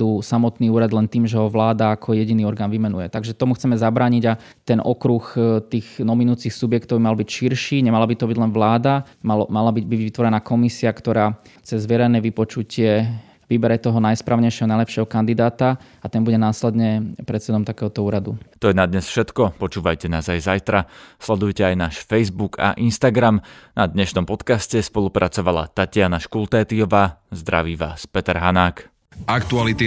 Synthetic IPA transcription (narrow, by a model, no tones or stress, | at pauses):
usamɔt̪niːuːɾad̪lɛnt̪iːmʒɛɦɔʋlaːd̪aːkʰɔjɛɟiniːɔɾɡaːnʋimɛnujɛt̪aɡʒɛt̪ɔmuxt͡sɛmɛzabɾaːɲiɟa | t̪ɛnʔɔkɾuxt̪iːɣnɔminuːt͡sixsubjɛkt̪ɔʊbimalbicʃiɾʃiːɲɛmalabit̪ɔbiɟlɛnʋlaːd̪a | malmalabiɟbiɟʋit̪ʋɔɾɛnaːkɔmisiakt̪ɔɾaːt͡sɛzːʋjɛɾɛnɛːʋipɔt͡ʃucɪɛ | ʋibɛɾɛt̪ɔɦɔnajspɾaːʊɲɛjʃɪɛɦɔnajlɛpʃɪɛɦɔkand̪id̪aːt̪a | at̪ɛnbuɟɛnaːslɛd̪ɲɛpɾɛt̪sɛd̪ɔmt̪akɛːɦɔt̪ɔuːɾad̪ut̪ɔjɛnad̪ɲɛsfʃɛt̪kɔpɔt͡ʃuːʋajcɛnaːzajzajt̪ɾaslɛd̪ujcɛajnaːʃfɛjzbuɡa̰ʔinst̪aɡɾamnad̪ɲɛʃnɔmpɔt̪kascɛspɔlˠupɾʔat͡sɔʋala̰t̪acɪanaʃkulˠt̪ɛːt̪iɔʋaːzd̪ɾa̰ʋiːʋa̰ːspɛt̪ɛɾɦanaːk | akt̪ualit̪i